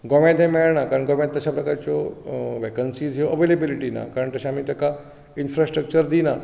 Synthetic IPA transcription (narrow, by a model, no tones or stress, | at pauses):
ɡɔmãd̪ʱɦẽmɛɭɳakaɾəɳɡɔmãt̪̚ːəɕapɾəkaɾt͡ɕɔʋekənsiːzɦjoʔəʋelebiliʈina̰kaɾəɳt̪əɕãamiːt̪eka | infɾasʈɾək̚t͡ɕəɾd̪ina